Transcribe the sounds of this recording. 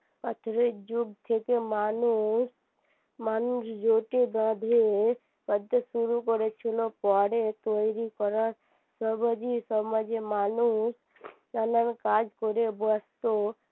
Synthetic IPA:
pət̪ʰɾed͡ʒuɡt̪ʰeːkemaːnus | maːnusd͡ʒoːʈed̪ãːd̪ʱe | bəd̪ʱsuɾukɔɾet͡ʃʰilopɔːɽet̪oiɾikɔɾət | səbəd͡ʒisəməd͡ʒemaːnus | nɐnənkaːd͡ʒkoɾebəst̪o

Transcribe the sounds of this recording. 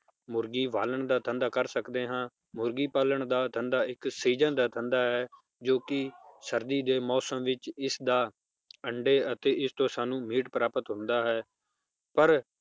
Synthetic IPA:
mʊɾɡiːʋaːləɳd̪aːt̪ʰənd̪aːkəɾsəkd̪eːɦãː | mʊɾɡiːpaːləɳd̪aːt̪ʰənd̪aːɪksiːd͡ʒənd̪aːt̪ʰənd̪aːɦɛː | d͡ʒoːkɪsəɾd̪iːd̪eːmɔːsəmʋɪt͡ʃɪsd̪aː | əɳɖeːət̪eːʔɪst̪õːsaːnũːmiːʈpɾaːpət̪ɦʊ̃nd̪aːɦɛː | pəɾ

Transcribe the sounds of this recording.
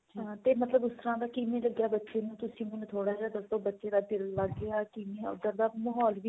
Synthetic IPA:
ɦãːt̪eːmət̪ləbʊst̪əɾãːd̪aːkɪmẽːləɡjaːbətːʃeːnũːt̪ʊsĩːmʊnt̪ʰoːɽaːd͡ʒaːd̪əst̪õːbətːʃeːd̪aːpɪlːəɡːeaːkɪmẽːʊ̰d̪əɾd̪aːməɦɔːlʋiː

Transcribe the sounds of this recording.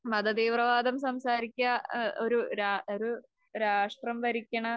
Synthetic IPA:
mɐd̪ɐd̪iːʋrɐʋaːd̪ɐmsɐmsaːɾikʲːɐoɾuɾaːoɾu | ɾaːʂʈrɐmʋɐɾikʲːɐɳɐ

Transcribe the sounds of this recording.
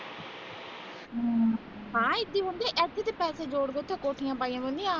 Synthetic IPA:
ɦãːɪt̪ːiːõnd̪ẽːʔɛːt̪ʰːeːt̪eːpɛːseːd͡ʒoːɽɡ̪eːʊt̪ʰːẽːkoːʈʰijãːpaːijãːbəld̪ijãː

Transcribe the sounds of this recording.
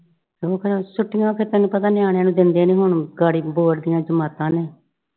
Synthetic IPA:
soːkʰɾsʊʈʰːɪjãːpʰɪɾt̪ɛːnũːpət̪aːnɪaːɽ̃jãːnũːd̪ɪnd̪eːnĩːɦʊɳɡaːɽiːboːɾd̪ɪjãːd͡ʒəmaːt̪ãːneː

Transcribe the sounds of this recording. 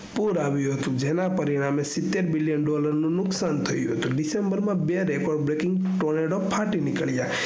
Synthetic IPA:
puɾaʋjũɦət̪ũd͡ʒenapəɾiɽ̃amesɪt̪ːeɾbilijənɖɔləɾnũnʊksant̪ʰəjũɦət̪ũɖisembəɾmãbeɾekɔɾɖbɾekɪ̃ŋɡ | ʈoneɖɔpʰaʈinɪkəɭja

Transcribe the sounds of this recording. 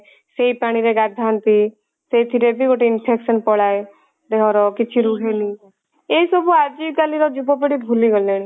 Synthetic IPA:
seipaːɽ̃iɾeɡaɾd̪ʱaːnt̪iː | seit̪ʰiɾeb̪iɡoʈeɪnpʰɛːkʃənpɔɽaːe | d̪eɔɾɔːkɪt͡ʃʰiɾuːɦeniː | eːsoboad͡ʒikaliɾɔd͡ʒubop̬eɽibʱuliɡəld̪eñi

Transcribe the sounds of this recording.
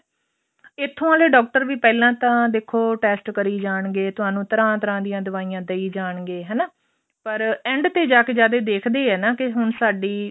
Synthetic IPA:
ɪt̪ʰːõãːleːɖɔːk̚ʈəɾʋiːpɛːlãːt̪ãːd̪eːkʰːoːʈɛːsʈkəɾiːd͡ʒaːɳɡeːt̪ʊɦaːnũːt̪əɾãːt̪əɾãːd̪ɪjãːd̪ʊʋaːiːjãːd̪əiːd͡ʒaːɳɡeːɦɛːnaː | pəɾɛ̃ːɳɖt̪eːd͡ʒaːkeːd͡ʒaːd̪eːd̪eːkʰd̪eːɦɛːnaːkɪɦʊnsaːɖiː

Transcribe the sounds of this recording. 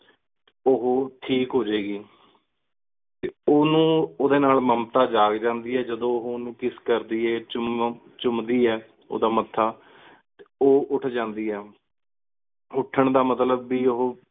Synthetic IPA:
ʊɦoːʈʰiːkɦoːd͡ʒeːɡiː | t̪eːoːnũːoːd̪eːnaːlməmt̪aːd͡ʒaːɡd͡ʒãːnd̪iːɛːd͡ʒəd̪õːʊɦonũːkɪskəɾd̪iːɛːt͡ʃʊm | t͡ʃʊmd̪iːɛː | o̰ːd̪aːmət̪ʰːaː | t̪eoːʔʊʈʰd͡ʒãːnd̪iːɛː | ʊʈʰːəɳd̪aːmət̪ləbːiːʊɦoː

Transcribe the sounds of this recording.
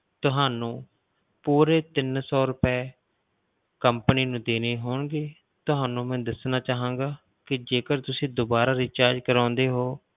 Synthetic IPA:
t̪ʊɦaːnũː | puːɾeːt̪ɪnsɔːɾʊpɛː | kəmpəniːnũːd̪eːneːɦoːɳɡeː | t̪ʊɦaːnũːmɛ̃ːd̪əsnaːt͡ʃaːɦãːŋɡaː | kɪd͡ʒeːkəɾt̪ʊsĩːd̪oːbaːɾaːɾɪːt͡ʃaːɾd͡ʒkəɾãːnd̪eːɦoː

